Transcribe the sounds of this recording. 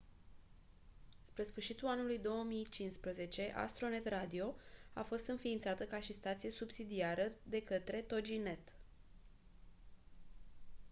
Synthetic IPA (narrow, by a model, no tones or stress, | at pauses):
spɾe̞sfɨrʃit̪ulanulujd̪o̞wəmijt͡ʃinspɾəze̞t͡ʃe̞ʔa̰st̪ɾo̞ne̞t̪rad̪io̞a̰fo̞st̪ɨnfiːnt̪sat̪əkaʃist̪at̪sije̞subsid̪iaɾəd̪e̞kət̪ɾe̞t̪o̞d͡ʒine̞t̪